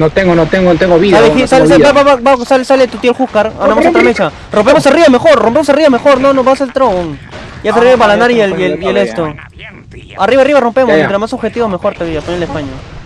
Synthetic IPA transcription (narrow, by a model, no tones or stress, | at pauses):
not̪eŋɡonot̪eŋɡot̪eŋɡoβisalekisaleabaaβabasalesalet̪ut̪jelxukaɾanamasot̪ɾamet͡ʃa | rompemosariβamexo̞ɾrompemos̬ariβame̞xoɾnonoβaselt̪ɾoŋ | jasariβeβaland̪aɾielelielest̪o | ariβariβaro̞mpe̞mst̪ɾamasoβxet̪iβomexo̞ɾt̪aβiapoɲalespaɲo